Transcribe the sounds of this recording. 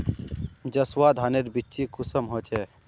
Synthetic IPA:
d͡ʒəswad̪ʱɦaneɾbit͡ʃikʊsəmɦot͡ʃʰe

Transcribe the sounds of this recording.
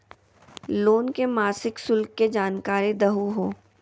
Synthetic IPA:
loːnkemaːsɪksʊlkːed͡ʒaːnkaːɾid̪əɦuɦoː

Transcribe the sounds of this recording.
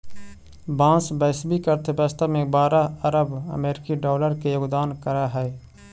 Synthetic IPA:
bãːsbɛːsbikəɾt̪ebɛːst̪amẽbaːɾaəɾəbə̰meːɾɪkiɖɔːləɾkejoːɡd̪aːnkəɾaɦɛː

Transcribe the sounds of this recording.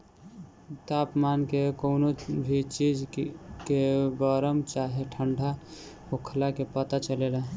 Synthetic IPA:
t̪apmankekoʊnobʱit͡ʃid͡ʒkeɡəɾəmt͡ʃaɦeʈʰəɳɖʱa | okʰlakepət̪at͡ʃəlela

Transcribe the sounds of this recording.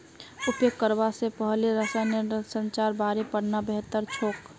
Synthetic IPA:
ʊpjoɡ̚kəɾbasepəɦliɾəsanisə̃nt͡ʃaːɾbaːɾepəɽnabeɦt̪əɾt͡ʃʰoːk

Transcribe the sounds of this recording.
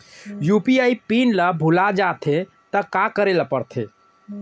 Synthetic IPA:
jupiaipinləbʱulad͡ʒat̪ʰe | t̪əkakəɾeləpəɾt̪ʰe

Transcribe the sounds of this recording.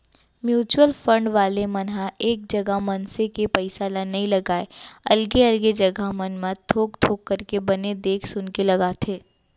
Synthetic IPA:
mjuːt͡ʃwəlfə̃ɳɖʋaːlemɐnɦaeːk̚d͡ʒɐɡaɦmɐnsekepɐɪsalanɐɦĩlɐɡaːeɐlɡeɐlɡed͡ʒɐɡamɐnmãt̪ʰoːkt̪ʰoːkːɐɾkebɐned̪eːkʰsʊnkelɐɡaːt̪ʰeː

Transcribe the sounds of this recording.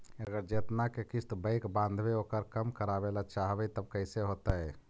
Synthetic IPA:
əɡəɾd͡ʒeːt̪nakekist̪bəɪkbãːnd̪ʱbeoːkəɾkəmkəɾabelat͡ʃaɦbəjt̪əb̚kəɪseɦot̪aɦɛ

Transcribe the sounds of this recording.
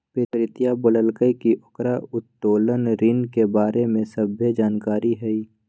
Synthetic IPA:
peːɾɾɪt̪ijabələlkəjkiʔʊkɾaʊt̪ːoːlənɾɪnkebaːɾemẽsəbʱjəd͡ʒaːnkaːɾiɦɛiː

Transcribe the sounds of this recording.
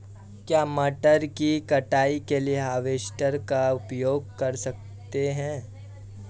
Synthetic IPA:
kjaːmɐʈəɾkikɐʈaːikelieɦaːʋeːʃʈəɾkaʊpjoːɡ̚kɐɾsɐk̚ | t̪eɦɛ̃ː

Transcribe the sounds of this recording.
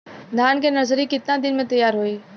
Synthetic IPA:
d̪ʱaːnkʰeːnɐzɾikɪt̪nãd̪ɪnmẽt̪ɐjaːɾɦoiː

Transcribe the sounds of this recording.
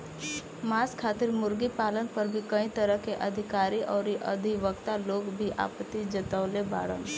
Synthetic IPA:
maːskʰaːt̪ɪɾmʊɾɡipaːlənpɐɾbʱikɐĩt̪əɾəkeʔɐd̪ʱɪkaːɾiʔɔːɾiʔɐ̰d̪ʱiʋəkt̪aloːɡbʱiʔa̰ːpət̪ːid͡ʒɐt̪əʋleba̰ːɽə̰n

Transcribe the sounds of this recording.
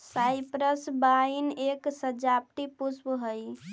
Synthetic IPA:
sajpɾəsbaineksəd͡ʒap̚ʈipusbɦəj

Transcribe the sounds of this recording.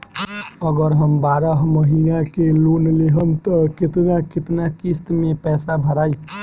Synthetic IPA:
əɡəɾɦəmbaːɾəɦməɦinakeluːnleɦənt̪əkɪt̪nakɪt̪nakɪst̪mẽpɛːsabʱəɾaːi

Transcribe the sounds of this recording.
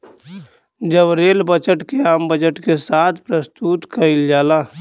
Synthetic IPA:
d͡ʒəbɾeːlbət͡ʃəʈkeaːmbəd͡ʒəʈkesaːt̪ʰpɾəst̪uːt̪kɐɪld͡ʒaːlaː

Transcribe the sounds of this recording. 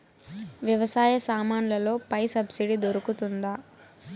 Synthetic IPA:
ʋjɐʋɐsaːjɐsaːmaːnlɐlo̞ːpɐjsɐbsiɖid̪oɾukut̪und̪aː

